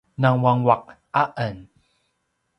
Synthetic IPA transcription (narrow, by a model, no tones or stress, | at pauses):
naŋwaŋwak̚ | aʔən